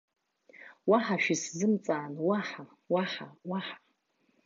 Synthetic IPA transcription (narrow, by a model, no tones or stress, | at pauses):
waħaʃᶣiszɨmt͡sʼaːnwaħa | waħawaħḁ